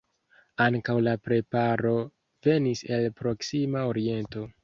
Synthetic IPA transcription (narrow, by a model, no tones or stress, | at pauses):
aŋkawlapɾe̞paɾo̞ | ve̞nise̞lpɾo̞ksimao̞ɾie̞nto̞